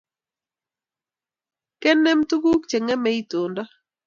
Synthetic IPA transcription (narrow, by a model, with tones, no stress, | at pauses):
kɛ˦nːɛ˦mtu˦ɡu˦kt͡ʃe˨ŋɛ˦mɛ˦i˦to˨nda˦